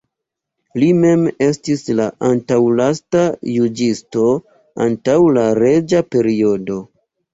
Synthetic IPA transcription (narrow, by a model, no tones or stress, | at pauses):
lime̞me̞stislaʔantawlastajud͡ʒisto̞ | a̰ntawlaɾe̞d͡ʒape̞ɾio̞do̞